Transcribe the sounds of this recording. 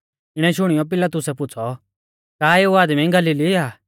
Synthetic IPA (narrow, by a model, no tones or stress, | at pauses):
ɪɽ̃ɛʃʊɽ̃ɪjɔp̬ɪlat̪ʊsɛpʊːt͡sʰɔ | kaːeːuaːd̪mĩɡɐliliaː